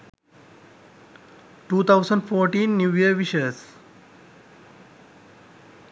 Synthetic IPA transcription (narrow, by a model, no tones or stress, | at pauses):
ʈuːt̪ʰaʊsə̃ɳɖfoːɾʈĩːnːjuːjiəɾʋiʃəs